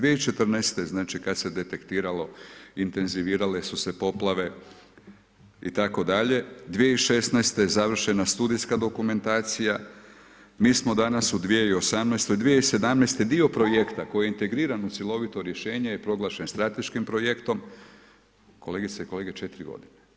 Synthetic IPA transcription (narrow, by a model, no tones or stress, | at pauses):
d̪ʋijeit͡ʃe̞t̪rneːst̪e̞znaːt͡ʃikad̪se̞d̪e̞t̪e̞kt̪iːɾalo̞int̪e̞nziʋiːɾale̞suse̞po̞plˠaʋe̞ | ḭt̪ako̞d̪aʎe̞d̪ʋijeiʃe̞snɛːst̪ezaʋr̩ʃe̞nast̪uːd̪ijskad̪o̞kume̞nt̪aːt̪sija | miːsmo̞d̪anasud̪ʋieio̞samnɛjst̪o̞jd̪ʋijeise̞d̪amnest̪ed̪io̞pɾo̞je̞kt̪ako̞jijeint̪e̞ɡɾiːɾanut̪sjelˠo̞ʋit̪o̞ɾje̞ʃe̞ːɲejepɾo̞ɡlˠaːʃenst̪ɾat̪e̞ʃkimpɾo̞je̞kt̪o̞m | ko̞le̞ɡit̪saiko̞leɡe̞t͡ʃet̪iɾiɡo̰d̪ine